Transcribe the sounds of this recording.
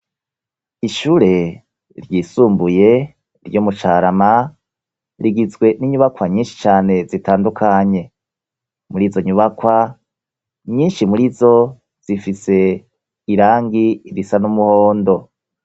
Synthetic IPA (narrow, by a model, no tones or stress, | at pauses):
iʃuːɾe̞ | ɾjiːsuːmbuje̞ | ɾjomut͡ʃaɾama | ɾiɡizɡwe̞niɲuβakwaɲiːnʃi̥t͡ʃaːne̞zitaːndukʰaɲe̞ | muɾiːzo̞ɲuβakwa | ɲiːnʃimuɾizo̞ | z̥ifise̞ | iɾaːŋɡiiɾisanumuhoːndo̞